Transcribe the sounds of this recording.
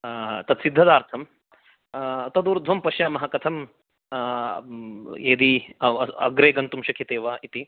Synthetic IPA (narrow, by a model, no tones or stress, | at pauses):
t̪ɐt̪sid̪ʱːɐd̪aːɾt̪ʰɐm | t̪ɐd̪uːɾd̪ʱʋɐmpɐʃjaːmɐɦɐkɐt̪ʰɐm | eːd̪i | ɐ̰ɡɾeːɡɐnt̪umʃɐkʰit̪eːʋaːʔit̪i